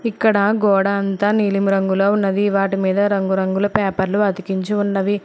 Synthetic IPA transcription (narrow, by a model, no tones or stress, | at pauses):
ikːɐɽɐɡɔːɽɐːnt̪ɐːniːlimɾɐŋɡuloːunːɐd̪iʋaːʈimiːd̪ɐɾɐŋɡuɾɐŋɡulɐpɛːpɐɾluɐd̪ikiɲt͡ʃiunːɐʋi